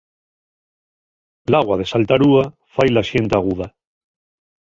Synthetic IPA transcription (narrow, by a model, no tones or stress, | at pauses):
laɣwað̞e̞salt̪aɾua | fajlaʃe̞nt̪aɣ̞uð̞a